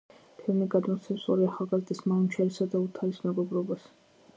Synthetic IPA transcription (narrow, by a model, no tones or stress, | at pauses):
t̪ʰɛmiɡad̪mɔt̪sʰɛpsɔɾiaχalˠɡazd̪ismaunt͡ʃʰaɾisad̪aut̪ʰaɾismɛɡɔbɾɔbas